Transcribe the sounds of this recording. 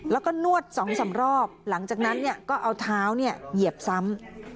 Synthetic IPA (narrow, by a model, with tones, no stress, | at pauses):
lɛː˦˥wkɔː˥˩nu˥˩ət̪̚sɔː˩˦ŋsa˨˩˦mɾɔː˥˩p̚la˩˦ŋt͡ɕaː˨˩k̚na˦˥nːi˥˩ɐkɔː˥˩ʔa˧wt̪ʰaː˦˥wni˥˩ɐji˨˩əp̚sa˦˥m